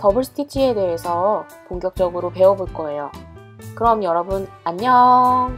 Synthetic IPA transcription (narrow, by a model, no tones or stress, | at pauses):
tʌbɯɭs͈ʰɯ̥tʰit͡ɕʰie̞de̞ɦesʰʌ | koŋɡjʌk̚t͡ɕ͈ʌɡɯɾope̞ʌboɭk͈ʌe̞jo | kɯɾʌmjʌɾʌbɯnaɲːʌŋ